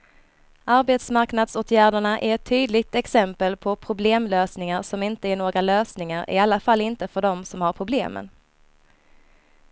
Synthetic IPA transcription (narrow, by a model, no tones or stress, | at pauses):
ʔaɾbeːt̪smaɾknad̪soːt̪ʰjæːɖəɳaʔæɾɛt̪ʰːyːd̪lɪɡ̚t̪ɛksɛmpəlpʰɔpʰɾʊbleːmløːsnɪŋaɾsɔmɪnt̪əæɳoːɡɾaløːsnɪŋaɾɪ̰alːafalːɪnt̪əfœɖɔmsɔmhaɾpʰɾʊblḛːmə̰n